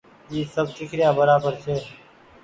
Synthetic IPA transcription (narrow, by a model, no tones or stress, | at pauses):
jiːsəb̚t͡ʃɪkʰɾɪjãːbəɾaːbəɾt͡ʃʰeː